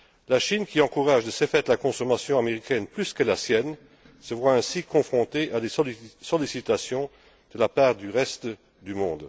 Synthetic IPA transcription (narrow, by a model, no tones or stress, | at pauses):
laʃinkʲiɑ̃kuʁaʒd̪əsefɛt̪lakɔ̃sɔmasjɔ̃ameʁikʰɛnplyskəlasjɛn | səvwaɛ̃sikʰɔ̃fχɔ̃t̪eʔad̪esɔlisit̪asjɔ̃ | d̪̥əlapaːʁd̪yʁɛst̪ | d̪ymɔ̃d̪